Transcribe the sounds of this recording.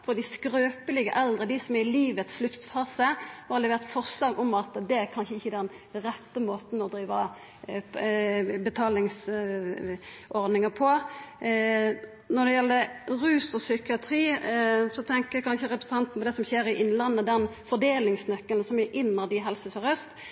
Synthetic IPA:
fɔd̪ɪskɾøːpəlɪɡə̰ʔɛld̪ʁəd̪ɪsɔmæɪliːʋət̪slʉt̪fɑːsəhɑʁlɛʋeːʁt̪fɔʁʂlɑːɡɔmɑt̪d̪ɛæɾkʰɑnʃəɪçːəd̪ɛn | ɾɛt̪ːəmoːt̪n̩ɔd̪ɾiːʋɑ | bət̪ʰɑːlɪŋs | ʔɔʁd̪nɪŋəpʰɔ | nɔd̪ɛjɛlːəʁʉːsɔsʏkɪɑt̪ʰɾiːsɔt̪ʰɛŋkəækʰɑnʃəʁɛpɾəsə̥ɑnt̪n̩pʰɔd̪ɛsɔmçeːɾɪʔɪnːlɑnːəd̪ɛnfɔd̪eːlɪŋsnœkːəln̩sɔmæʔɪnːɑd̪ɪɦɛlsəsɔʁœst̪

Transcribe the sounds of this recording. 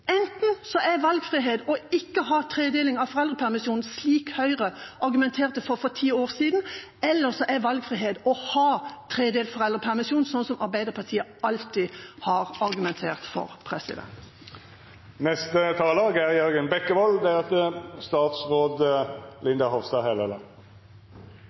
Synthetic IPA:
ɛnt̪n̩sɔʔæʋɑlɡfʁiɦeːd̪ɔɪkːəhɑːt̪ʰʁeːd̪eːlɪŋɑʋfɔʁɛlʁəpʰæʁmɪsjuːnn̩sliːkhœʏʁəʔɑɾɡʉmɛnt̪ʰeːʁt̪əfɔfɔt̪ʰiːoːʁsiːd̪n̩ | ɛlːəʁsɔʔæʋɑlɡfʁɪɦeːd̪ɔhɑːt̪ʰɾeːd̪eːlfɔʁɛld̪ʁəpʰæʁmɪsjuːnsɔnsɔmʔɑɾbæɪd̪əʁpʰɑʁt̪ʰiːəɑlt̪ihɑːʁɑʁɡʉmɛnt̪ʰeːʁt̪fɔ̰ʁpʰɾɛsɪ̰d̪ɛ̰nt̪ | nɛst̪ət̪ʰɑːlɑːɡæʁjœɾɡənbɛkːəʋɑld̪ɛɾɛt̪əst̪ɑːt̪sʁoːd̪lɪnd̪ɑhɔʋst̪ɑːhɛlələ

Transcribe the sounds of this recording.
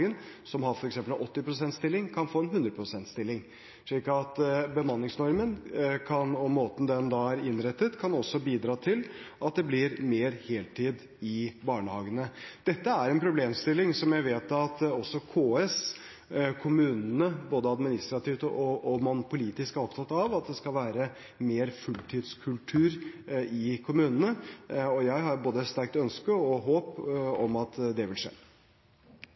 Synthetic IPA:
ɡən | sɔmɦɑɾfɔɾɛksɛmpəlɔt̪ːɪpʰɾʊsɛnt̪st̪ɪlːɪŋkʰɑnfoːɛnɦʉnd̪ɾəpʰɾʊsɛnt̪st̪ɪlːɪŋ | ʂɭiːkɑt̪bəmɑnːɪŋsnɔɾmənkʰɑnɔmːoːt̪n̩d̪ɛnd̪ɑːæɾɪnɾɛt̪ːət̪kʰɑnɔsːɔbiːd̪ɾɑːt̪ʰɪlʔɑt̪̚d̪ɛblɪɾmeːɾheːlt̪ʰiːd̪ | ɪbɑːɳəhɑːɡənəd̪̥ɛt̪ːəæɾɛnpʰɾʊbleːmst̪ɪlːɪŋsɔmjæɪʋeːt̪ɑt̪ɔsːɔkʰoːɛs | kʰʊmʉːnnəboːd̪əɑd̪mɪnɪst̪ɾɑt̪ʰiːft̪əʔɔɔmʊnʊpʊliːt̪ɪskæɾɔpt̪ʰɑt̪ːɑʋɑt̪̚d̪ɛskɑlʋæːɾə | meːɾfʉlt̪ʰiːd̪skʰʉlʈ̪ʰʉːɾɪkʰʊmʉːnənəɔjæɪɦɑɾboːd̪əst̪æɾk̚t̪œnskəɔɦoːpɔmɑt̪d̪ɛʋɪlʂḛː

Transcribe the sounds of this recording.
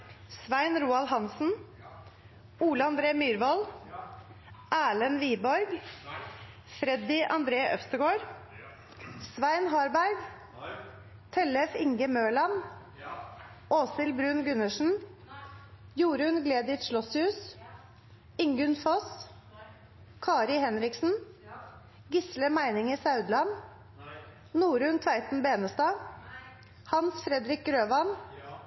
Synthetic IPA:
sʋæɪnɾuːɑlhɑnsn̩ | uːləɑnd̪ɾeːmyːɾʋɑl | ʔæːɭənʋiːbɔɾɡ | fɾɛd̪ɪʔɑ̰nd̪ɾeːʔœfst̪əɡoːɾ | sʋæɪnɦɑɾbæɾɡ | t̪ʰɛlɛfɪŋɡəmøːɭɑn | oːsɪlbɾʉːnɡʉnəʂn̩ | juːɾʉnɡleːd̪ɪt̪ʃlɔshʉːs | ɪŋɡʉnfɔs | kʰɑːɾɪhɛnɾɪksn̩ | ɡɪsləmæɪnɪŋisɑʉd̪lɑn | nuːɾʉnt̪ʰʋæɪt̪n̩beːnəst̪ɑː | hɑnsfɾɛd̪ɾɪk̚ɡɾøːʋɑn

